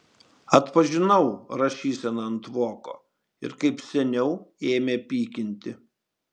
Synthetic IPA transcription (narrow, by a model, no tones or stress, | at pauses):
ɐt̪pɐʒʲɪnɐʊɾɐʃʲiːsʲɛnɐɐnt̪ʋoːko̰ː | ɪ̰ɾkɐɪpsʲɛnʲɛʊeːmʲeːpʲiːkʲɪnʲt̪ʲɪ